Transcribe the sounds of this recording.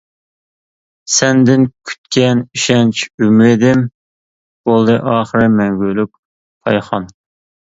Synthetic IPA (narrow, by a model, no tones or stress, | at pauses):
sɛnd̪ɪnkʲʰy̥t̪kʲɛniʃɛnt͡ʃʰymɾɪd̪ɪm | bolˠd̪ɨʔɑːχəɾɨmɛŋɡʲølyk̚ | pʰɑjχɑ̰n